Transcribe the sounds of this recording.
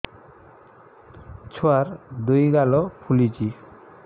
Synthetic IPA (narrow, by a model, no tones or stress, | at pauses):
t͡ʃʰuaɾd̪ujɡalɔpʰulid͡ʒi